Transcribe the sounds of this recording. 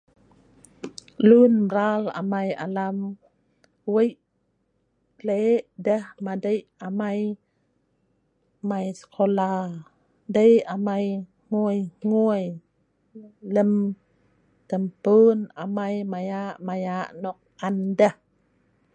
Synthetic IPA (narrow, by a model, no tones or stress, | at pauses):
lunɾala̰maja̰lam | wəj | leʔdəhmadəjʔamaj | majskʰɔlaː | dəjʔamaj | ŋuəjŋuəj | ləm | t̪əmpɯːnʔamajmajaʔmajaʔnɔk̚ʔandah